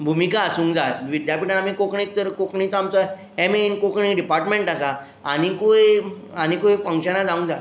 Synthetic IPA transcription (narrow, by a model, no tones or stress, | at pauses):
bʱumikaːsũːŋd͡zajʋid̪ʱjapiʈanamikokɳik̚t̪əɾkokɳĩt͡samt͡sa | ɛmeinkokɳiɖipaɾʈmẽɳʈasaː | ɽ̃ikoj | añikojfəŋkɕənad͡zaũŋɡd͡za